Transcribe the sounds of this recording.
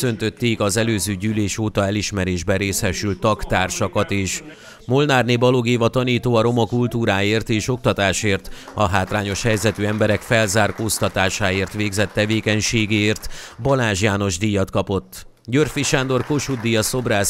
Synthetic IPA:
ø̞nt̪ø̞t̪ːeːkɒzɛløːzøːɟyːleːʃoːt̪ɒɛliʃmɛɾeːʒbɛɾeːshɛʃylt̪ːɒkt̪aːrʃɒkɒt̪eːʃ | molnaːrneːbɒloɡeːvɒt̪ɒniːt̪oːɒɾo̞mɒkult̪uːɾaːeːrt̪eːʃo̞k̚t̪ɒt̪aːʃeːrt̪ɒɦaːt̪raːɲo̞ʃhɛjzɛt̪yːɛmbɛɾɛkfɛlzaːrkoːst̪ɒt̪aːʃaːeːrt̪ʋeːɡzɛt̪ːɛveːkɛɲʃeːɡeeːrt̪bɒlaːʒijaːno̞ʒd̪ijːɒt̪kɒpo̞t̪ː | ɟørfiʃaːnd̪o̞rkoʃud̪ːijɒso̞braːs

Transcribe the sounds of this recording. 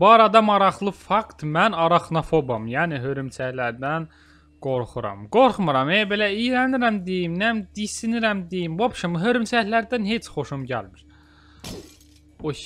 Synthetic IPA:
bɑːɾɑd̪ɑmɑɾɑχlˠɯfɑkt̪mænɑɾɑχnofobɑmjæːniɦøɾymt͡ʃʰæhlæɾd̪æn | ɡ̥o̞ɾχuɾɑ̰mɡ̥oɾχmɯɾɑmebelæijɾæniɾæmd̪ejimnæmd̪isiniɾæmd̪ejimbobʃɑmɦøɾymt͡ʃʰæhlæɾd̪ænhet͡ʃʰχo̞ʃumɟæ̰lmiɾ̥ | o

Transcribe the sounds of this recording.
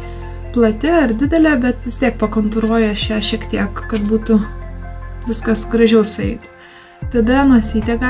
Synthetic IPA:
plˠɐt̪ʲɪɐɾd̪ʲɪd̪ʲɛlʲɛbʲɛt̪ʋʲɪst̪ʲiɛk̚pɐkont̪ʊɾuɔjɛʃʲæːʃʲiɛkt̪ʲiɛkkɐt̪buːt̪ʊ | ʋʲɪskɐsɡɾɐʒʲɛʊsʊɛɪt̪ʊ | t̪ɐd̪ɐnuɔsʲiːt̪ʲɛkɐ

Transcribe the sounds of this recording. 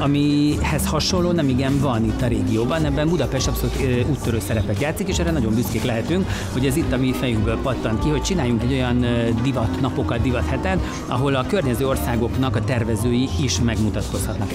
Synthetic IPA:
ɒmihɛshɒʃo̞lːoːnɛmiɡɛɱvɒnit̪ːɒɾeːɡijoːbɒnɛbːɛmbud̪ɒpɛʃt̪ɒpso̞luːt̪uːt̪ːøɾøːsɛɾɛpɛt̪jaːt̪sikeːʃɛːɾːɛnɒɟo̞mbyskeːklɛɦɛt̪yŋkho̞ɟɛzit̪ːɒmifɛjyŋɡbøːlpɒt̪ːɒnkiɦo̞c̚t͡ʃinaːjːuŋkɛɟːo̞jɒnd̪ivɒt̪nɒpo̞kɒd̪̚d̪ivɒt̪hɛt̪ɛn | ɒ̰ɦo̞lɒkø̞rɲɛzøːo̞rsaːɡo̞knɒkɒt̪ɛrvɛzøːjiiʃmɛɡmut̪ɒt̪ko̞shɒt̪nɒk

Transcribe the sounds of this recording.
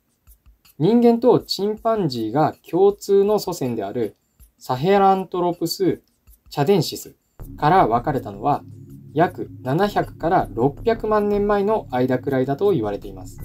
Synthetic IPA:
ɲ̟ĩŋɡẽ̞nt̪o̞t͡ɕĩmpãɲd͡ʑiːɡakʲʰo̞ːt͡sɨːno̞so̞sẽ̞nd̪e̞aɾɯ̟ | saɦeɾãnt̪o̞ɾo̞pɯ̟sɨ | t͡ɕad̪ẽ̞ɰ̃ɕisɨ̥ | kaɾaβakaɾe̞t̪ano̞̰β̞ajakɯ̟nanaçakɯ̟̥kaɾaɾo̞pʲːjakɯ̟mãnːẽ̞mːaeno̞ʔaid̪akɯ̟ɾaid̪at̪o̞iβ̞aɾe̞t̪e̞imasɨ̥

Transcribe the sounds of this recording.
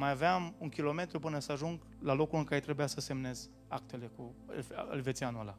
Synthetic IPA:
majaveamuŋkʲilo̞me̞t̪ɾupɨnəsəaʒuŋɡ | lalo̞kulɨŋkaɾe̞t̪ɾe̞bujasəse̞mne̞z | akt̪e̞le̞kṵlɨ̰lʲve̞t̪sʲianuala̰

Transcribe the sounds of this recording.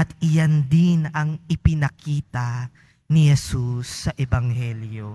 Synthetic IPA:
ʔɐt̪ɪjand̪ɪnɐŋʔɪpɪnɐkiːt̪ɐ | nihɛsusːɐʔɛbɐŋhɛljo

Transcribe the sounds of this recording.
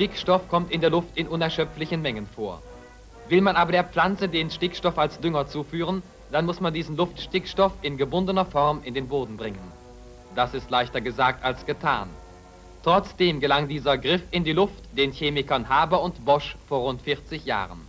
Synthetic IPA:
ʃtɪkʃtɔfkʰɔmtɪndeːɐlʊftɪnʔʊnɛɐʃœp͡flɪçən̩mɛŋənfoːɐ | vɪlmanʔaːbɐɾeːɐp͡flant͡sədeːnʃtɪkʃtɔfalsd̥ʏŋɐt͡suːfyːʁən | d̥anmʊsmandiːzn̩lʊftʃtɪkʃtɔfɪnɡəbʊndənɐfɔʁmɪndeːnboːdn̩bʁɪŋən | d̥asɪstlaɪçtɐɡəzaːk̚talsɡ̥ətʰa̰ːn | tʁ̥ɔt͡sd̥eːmɡəlaŋdiːzɐɡʁɪfɪndiːlʊftd̥eːnçeːmɪkɐnhaːbɐʊntb̥ɔʃfoːɐʁʊntfɪɐt͡sɪçja̰ːʁən

